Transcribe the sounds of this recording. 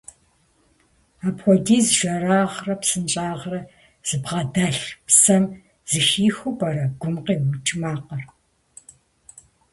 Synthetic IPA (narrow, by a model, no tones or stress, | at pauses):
aːpxʷɔdiːzʒɐraːʁrɐpsɨnt͡ʃʼaːʁrɐ | z̥ɨbʁɐdaɬpsɐm | z̥ɨxiːxʷʊpɐɾɐɡ̥ʷʊmqiːwʊt͡ʃʰmaːqɐr